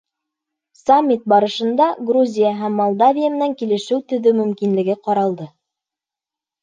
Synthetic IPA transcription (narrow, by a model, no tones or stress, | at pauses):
samʲːit̪̚bɑɾɤ̆ʃɤ̆nd̪ɑɡruzʲijaɦæmːolˠd̪avʲijamɘ̆næŋkilɘ̆ʃɘwt̪ɵ̆ðɵmɵ̆mkinlɘ̆ɡɘqɑɾɑlˠd̪ɤ